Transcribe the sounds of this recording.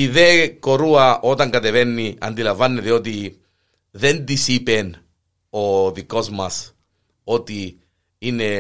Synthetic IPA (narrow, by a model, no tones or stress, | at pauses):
iðeko̞ɾuɐʔo̞t̪ɐŋɡɐt̪evenːiɐ̰nd̪ilɐɱvɐnːeðio̞t̪i | ðend̪isipen | o̞ðiko̞zmɐs | o̞t̪i | ine